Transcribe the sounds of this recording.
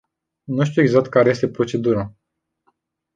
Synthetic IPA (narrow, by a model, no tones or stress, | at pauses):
nuʃ̬t̪ʲueɡzak̚t̪̚kaɾe̞je̞st̪e̞pɾo̞t͡ʃe̞d̪uɾa